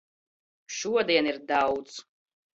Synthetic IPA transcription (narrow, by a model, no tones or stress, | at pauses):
ʃuɔd̪ijɛnirdawt͡sʼ